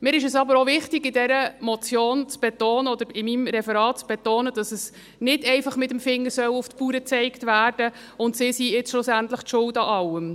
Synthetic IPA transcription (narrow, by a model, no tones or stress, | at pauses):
mɪːɾɪʃəsɑbəɾovɪχtɪɡɪdɛɾəmɔt͡sjoːnt͡sb̥ɛtoːnəɔd̪əɾɪmimɾɛfɛɾɑːt̚t͡sb̥ɛtoːnəd̥ɑsɛs | nɪdɛɪfɑχmɪtəmfɪŋːəsœwʊftpuːɾət͡sɛɪktvæːrd̥ə | ʊntsisiɪt͡sʃlʊsæntləχtʃʊltɑʔɑlːəm